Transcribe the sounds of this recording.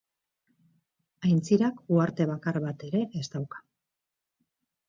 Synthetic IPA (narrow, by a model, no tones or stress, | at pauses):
ajnt͡siɾakuaɾt̪e̞β̞akarβat̪e̞ɾe̞ʔest̪awkḁ